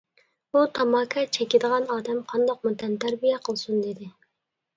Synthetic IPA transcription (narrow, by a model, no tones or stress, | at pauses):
but̪ʰɑmɑːkʰɑt͡ʃʰɛkʲɪd̪əʁɑnɑːd̪ɛmqʰɑnd̪ɑq̚mut̪ɛnt̪ʰæɾbijɛqʰəlˠsund̪ɪd̪ɪ